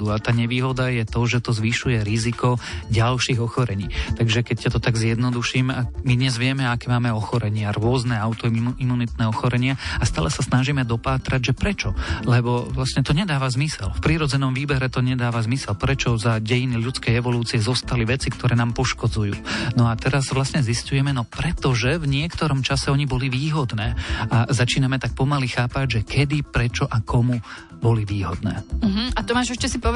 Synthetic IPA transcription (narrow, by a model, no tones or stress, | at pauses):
uat̪aːɲɛʋiːɦɔd̪ajɛt̪ɔʒɛt̪ɔzʋiʃujɛɾizikɔɟalʃiːɣɔxɔɾɛɲiːt̪aɡʒɛkɛccat̪ɔt̪aɡzjɛd̪nɔd̪uʃiːmamid̪ɲɛzʋɪɛmɛakɛːmaːmɛɔxɔɾɛɲɪaɾʊɔznɛaʊt̪ɔimunit̪nɛːɔxɔɾɛɲɪaast̪aːlɛsasnaʒimɛd̪ɔpaːt̪ɾaɟʒɛpɾɛt͡ʃɔlɛbɔʋlasɲɛt̪ɔɲɛd̪aːʋazmisɛ̰lfpɾiːɾɔd͡zɛnɔmʋiːbɛɾɛt̪ɔɲɛd̪aːʋazmisɛlpɾɛt͡ʃɔzaɟɛjiniʎut͡skɛjɛʋɔluːt͡siɛzɔst̪aliʋɛt͡sikt̪ɔɾɛːnaːmpɔʃkɔd͡zujṵːnɔat̪ɛɾazʋlasɲɛziscujɛmɛnɔpɾɛt̪ɔʒɛvɲɪɛkt̪ɔɾɔmt͡ʃasɛɔɲibɔliʋiːɦɔd̪nɛːazat͡ʃiːnamɛt̪ak̚pɔmalixaːpaɟʒɛkʰɛd̪ipɾɛt͡ʃɔʔakʰɔmu | bɔliʋiːɦɔd̪nɛ̰ːɦ̩at̪ɔmaːʒɛʃcɛsipɔ